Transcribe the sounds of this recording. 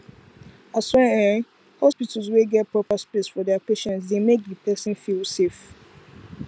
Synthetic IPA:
aswɛa | hɔspitʰəlzweɡɛt̚pʰɹɔpəspesfɔdɛapeʃɛ̃ns̬demek̚dəpʰɛsə̃nfilsef

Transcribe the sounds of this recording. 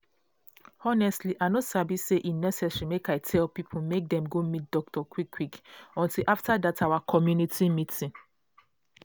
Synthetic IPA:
ɔnɛstliʔanosabiseʔinɛsɛsɹimekaɪtʰɛlpipʰomek̚dɛ̃mɡomit̚d̥ɔk̚tɔkʰwikʰːwikɔ̃ntilʔaftadatawakʰɔmjunitʰimitʰĩn

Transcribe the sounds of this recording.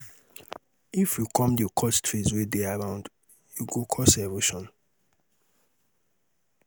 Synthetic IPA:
ifjukʰɔ̃mdukʰɔstʰɹizwideaɹãʊ̃nd | juɡokʰɔsɛvoʃɔ̃n

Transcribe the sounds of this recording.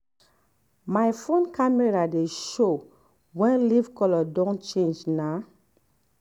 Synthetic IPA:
majfõnkamɛɹadeʃo | wɛ̃nlivkɔlɔdɔ̃nt͡ʃẽnd͡ʒna

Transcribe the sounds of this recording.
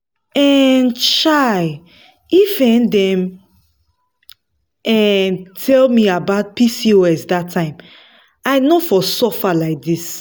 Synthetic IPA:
ɛ̃nʃaɪ | ifɛ̃ndɛ̃m | ɛ̃ntʰɛlmiabaʊt̚pisioɛsdatʰːãɪ̃m | aɪnofɔsɔfalaɪk̚dis

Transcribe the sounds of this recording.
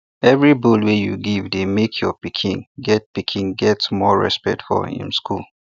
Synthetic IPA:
ɛvɹibulwejṵɡivdemekʰjɔpikʰḭ̃nɡɛt̚pikʰĩnɡɛtsmɔɹɛ̰spɛ̰k̚tfɔ̰ḭ̃mskul

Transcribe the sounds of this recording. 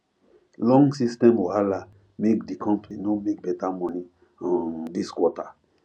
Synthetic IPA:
lɔ̃ŋɡsistɛ̃mohala | mek̚dikʰɔ̃mpninomek̚bɛtamɔ̃ni | ɔ̃ndiskwɔta

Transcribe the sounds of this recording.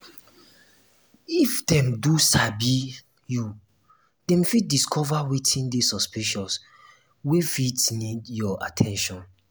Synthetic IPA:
ifdɛ̃mdusabi | ju | dɛ̃mfit̚diskʰɔvawitʰĩndesɔspiʃɔs | wefitnidjɔa̰tʰɛ̃nʃɔ̃n

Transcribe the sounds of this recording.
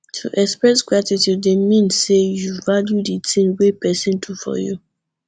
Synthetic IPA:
tʰṵʔɛkspɹɛsɡɹatitjudemĩnsejuvaljuditĩmwepɛsĩntʰufɔ̰ju

